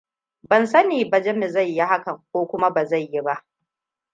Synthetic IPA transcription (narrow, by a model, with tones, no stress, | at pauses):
bɐ˨nsɐ˦niː˨bɐ˨d͡ʒɛ˦mɪ˨za˦˨jːi˦ɦa˦kɐ˨ŋk̚ʷoː˦kʷʊ˦ma˦ba˨za˦˨jːi˦ba˦ʔ